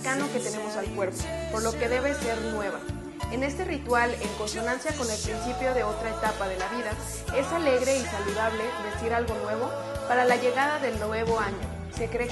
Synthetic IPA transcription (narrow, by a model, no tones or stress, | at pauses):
kano̞ke̞t̪e̞ne̞mo̞salkwe̞ɾpopo̞ɾlo̞ke̞ðe̞βe̞se̞ɾnwe̞βa̰ | ene̞st̪e̞rit̪wale̞ŋko̞nso̞nansjako̞ne̞lpɾinsipjo̞ðe̞o̞t̪ɾaet̪apaðe̞laβiða | e̞sale̞ɣɾe̞isaluðaβle̞ðe̞siɾalɣo̞nwe̞β̞o̞ | paɾalaʝe̞ɣaðaðe̞lne̞βo̞aɲo̞ | se̞kɾe